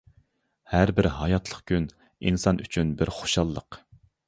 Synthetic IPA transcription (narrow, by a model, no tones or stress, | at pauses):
hæɾbɪɾɦɑjɑt̪ʰlˠəqkʲyn | insɑnʔyt͡ʃʰynbɪɾχo̥ʃɑlˠːə̰q